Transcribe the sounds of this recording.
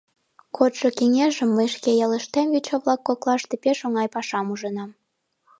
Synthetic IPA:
kʰot̪ʃokeŋeʒəmːəjʃkejɑləʃt̪emvit͡ɕoβlɑkːoklɑʃt̪epeʃoŋɑjpɑʃɑmuʒɤ̆nɑm

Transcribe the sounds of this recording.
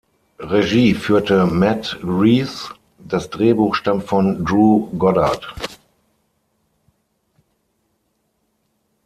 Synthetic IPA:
ʁeʒiːfyːɐtəmɛtɡʁiːs | d̥asd̥ʁeːbuːxʃtamtfɔndʁuːɡɔdat

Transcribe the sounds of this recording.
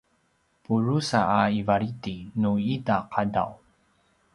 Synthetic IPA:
puɾusaːivaɾitinuitaqʰada̰w

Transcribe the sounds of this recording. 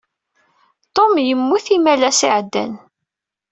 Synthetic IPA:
t̪omjəmːuθimælæsiʕd̪ːæ̰n

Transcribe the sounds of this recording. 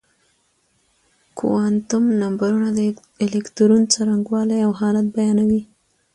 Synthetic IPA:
kṵwɑnt̪ʊmnambaɾunad̪ | elekt̪ɾunt͡saɾaŋɡwɑlajawɦɑlat̪̚bajɑnawi

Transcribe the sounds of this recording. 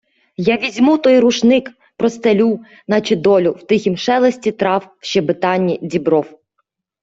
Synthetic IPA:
jɑʋʲizʲmut̪ɔjɾuʃnɪk | pɾɔst̪elʲu | nɐt͡ʃɪd̪ɔlʲʊwt̪ɪxʲimʃɛlˠɔsʲtʲit̪ɾɑw | ʃt͡ʃɛbɪt̪ɑnʲːidʲibɾɔw

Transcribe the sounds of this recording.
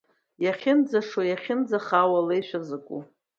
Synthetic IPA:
jaχʲɪnd͡zaʂwajaχʲɪnd͡zaχawalejʃʷᶣazakʷʼṵ

